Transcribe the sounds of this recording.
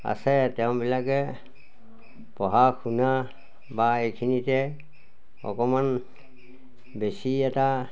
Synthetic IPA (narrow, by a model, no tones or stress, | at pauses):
a̰sɛtɛʊ̃bilakɛ | pɔɦakʰuna | baejkʰinitɛ | ɔ̰kɔman | besiɛta